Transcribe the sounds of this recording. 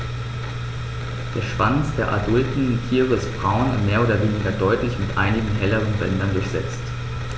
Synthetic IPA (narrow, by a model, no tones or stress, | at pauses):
d̥eːɐʃv̥ant͡sd̥eːɐʔa̰dʊltn̩tʰiːʁəɪstb̥ʁaʊnvameːɐʔoːdɐveːnɪɡɐdɔʏtlɪçmɪtʔaɪnɪɡŋ̩ɦɛləʁənbɛndɐndʊɐçz̥ɛ̰t͡st